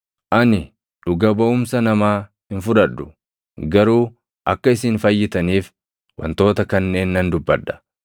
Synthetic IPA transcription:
ʔɐnɪ | ᶑʊɡɐbɐʊmsɐnɐmaː | hɪnfʊᶑɐᶑːʊ | ɡɐɾuː | ʔɐkːɐɪsɪnfɐjːɪt̪ɐniːf | wɐ̰nt̪o̞ːt̪ɐkɐnːe̞ːnːɐnd̪ʊbːɐᶑːɐ̥

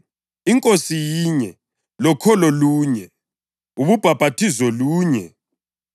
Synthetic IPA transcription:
iŋkʼosijiɲɛ | lɔkʰɔlɔluːɲɛ | uβub̥ʱab̥ʱatʰizɔluːɲɛ

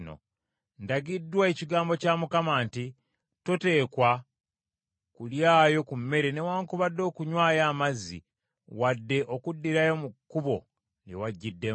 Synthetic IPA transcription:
no̰ | ndaɡidːwaeciɡaːmbo̞caːmukamaːnti | tote̞ːkwa | kuljaːjo̞kumːe̞ɾene̞waːŋkuβadːo̞ːkuɲwaːjaːmazːḭ | wadːe̞ʔo̞kudːiɾajo̞mukːuβo̞ | njḛwaɟːidːe̞

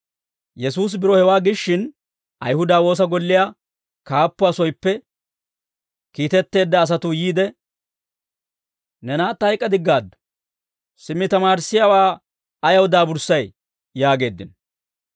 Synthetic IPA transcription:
jɛsuːs̬bɪɾɔhɛwaːɡɪʃːɪn | ʔɐ̰jhʊd̪aːwo̞ːs̬ɐɡɔlːɪjaː | kaːpːʊɐsɔjpːɛ | kiːt̪ɛt̪ːe̞ːd̪ːɐːs̬ɐt̪ʊjiːd̪ɛ | nɛnaːt̪ːɐjkʼːɐd̪ɪɡːaːd̪ːʊ̥ | sɪmːɪt̪ɐmaːɾsːɪjaːwaː | ɐjɐwd̪aːbʊɾsːɐj | jaːɡe̞ːd̪ːɪ̰n

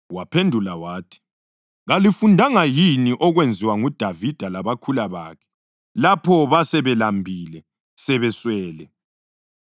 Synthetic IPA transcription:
wapʰendʱulawaːtʰi̥ | ɣalifundʱaŋajiniʔɔɣwend͡zʱiwaŋud̥ʱavid̥ʱalaβakʰulaβa̰kʰɛ̥ | lapʰɔβasɛβɛlambʱiːlɛ | sɛβɛswɛːlɛ

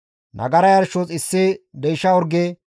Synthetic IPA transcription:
nʔɐ̰ɡɐɾɐjɐɾʃot͡sʼɪsːɪd̪ɛjʃɐɔɾɡɛ

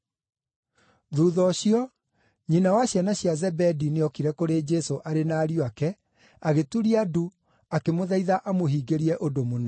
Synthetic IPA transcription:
ðuːðɔɕiɔ | ɲinawaɕjanaɕjazɛbɛdineɔkiɾɛkoɾed͡ʒɛsoʔaɾenaːɾioakɛ | aɣetuɾiadu | akemoðaiðaʔamoɦiːɡeɾiɛʔodomona

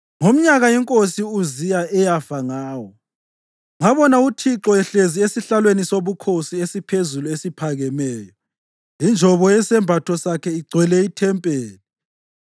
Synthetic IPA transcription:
ŋom̩ɲaɣajɛŋkʼosiuzijaɛjafaŋaːwɔ | ŋaβɔnautʰiǁɔɛɬeziesiɬalwenisoβukʰosiesipʰezuluesipʰaɣɛmɛːjɔ | ind͡ʒʱɔβɔɛsɛmbʱatʰɔsakʰɛiɡ͡ǀʱwɛlɛitʰɛmpʼeːni

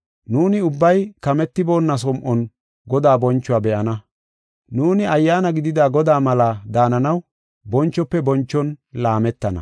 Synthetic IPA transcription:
nuːnɪʊbːɐjkɐmɛt̪ːɪbo̞ːnːɐs̬ɔmʔɔn | ɡɔd̪aːbɔnt͡ʃːʊwaːbɛʔɐnɐ | nuːnɪɐjːaːnɐɡɪd̪ɪd̪aːɡɔd̪aːmɐlad̪aːnɐnɐw | bɔnt͡ʃːɔpːɛbɔnt͡ʃːɔnlaːmɛt̪ːɐnɐ̰

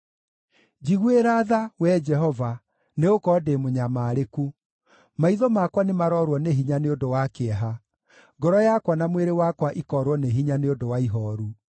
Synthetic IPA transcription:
d͡ʑiɣweɾaðawɛd͡ʒɛɦɔva | neokɔdemoɲamaːɾeku | maiðɔmakwanemaɾɔɾwɔneɦiɲaneodowakeɛɦa | ɡɔɾɔjakwanamweɾewakwaʔikɔːɾwɔneɦiɲaneodowaiɦɔːɾu

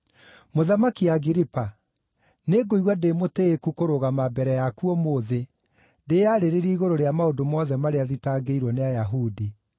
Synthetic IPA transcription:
moðamakiaɡiɾipa | neɡoiɣwademoteːkukoɾoɣamabɛɾɛjakuɔmoðe | dejaɾeɾeɾiiɣoɾoɾeamaodomɔðɛmaɾeaðitaɡeiɾwɔneajaɦudi

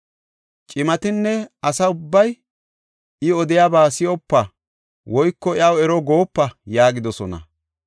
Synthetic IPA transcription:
t͡ʃʼɪmɐt̪ɪnːɛɐsɐʊbːɐj | ɪɔd̪ɪjabaːsɪjɔpːɐ | wɔjkːɔɪɐwɛɾɔɡo̞ːpːɐjaːɡɪd̪ɔsɔnɐ̰

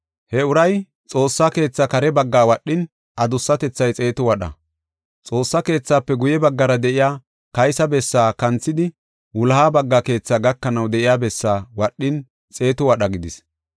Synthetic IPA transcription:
hɛʊɾɐj | t͡sʼo̞ːsːake̞ːt͡sːakɐɾɛbɐɡːaːwɐɗːɪn | ʔɐd̪ʊsːɐt̪ɛt͡sːɐjt͡sʼe̞ːt̪ʊwɐɗɐ̰ | t͡sʼo̞ːsːɐke̞ːt͡sːaːpːɛɡʊjɛbɐɡːɐɾɐd̪ɛʔɪjaː | kɐjsɐbɛsːaːkɐnt͡sːɪd̪ɪ | wʊlhaːbɐɡːaːke̞ːt͡sːaːɡɐkːɐnɐwd̪ɛʔɪjaːbɛsːaːwɐɗːɪn | t͡sʼe̞ːt̪ʊwɐɗɐɡɪd̪ɪs

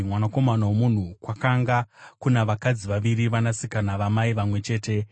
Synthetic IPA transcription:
mwanako̞manawomun̤ukwakaŋɡakunaʋakad͡ziʋaʋiɾiʋanasikanaʋamaiʋamwe̞t͡ʃe̞ːte̞

